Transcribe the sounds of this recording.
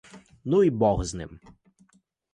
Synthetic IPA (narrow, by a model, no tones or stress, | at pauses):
nuibɔɣznɪ̰m